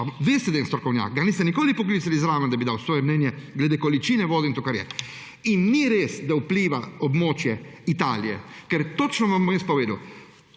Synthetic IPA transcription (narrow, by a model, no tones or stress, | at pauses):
ʋeːst̪ɛd̪ajɛnst̪ɾɔkɔwnja̰ːkɡaniːst̪ɛnikoːlipɔkliːt̪salizɾaːʋɛnd̪abid̪awsʋɔːjɛmnɛnjɛɡlɛd̪ekɔlit͡ʃiːnɛʋɔːd̪ɛint̪okaɾjɛ̰ | inːiɾeːsd̪aupliːʋaɔbmoːt͡ʃjɛit̪a̰ːlijɛ̰kɛɾt̪ot͡ʃnɔʋamːɔjɛspɔʋeːd̪uw